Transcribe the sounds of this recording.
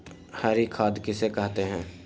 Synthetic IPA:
haɾikʰaːd̪kɪsekɐɦt̪eɦɛ̃ː

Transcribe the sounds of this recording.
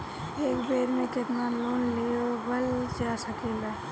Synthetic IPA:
eːkbeːɾmẽkɪt̪naloːnlijobəld͡ʒasəkela

